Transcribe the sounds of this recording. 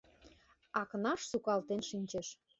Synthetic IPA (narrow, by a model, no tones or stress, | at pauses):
ɑkənɑʃsukɑlt̪enʃinʲt͡ɕeʃ